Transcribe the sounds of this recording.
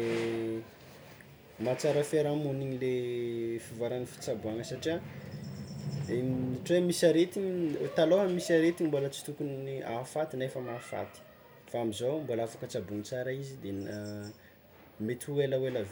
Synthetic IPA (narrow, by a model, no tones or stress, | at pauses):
mat͡saɾəfeɾamuniɲilefivaɾanifi̥t͡sabuaŋəsaʈ͡ʂia | eiʈ͡ʂwemisaɾet̪iɲt̪aloɦəmisaɾet̪iɲimbolət͡si̥t̪ukuniʔa̰fat̪inefamafa̰t̪i̥ | faamizowmbolaafakət͡sabunit͡saɾaizid̪ena | met̪uelawelav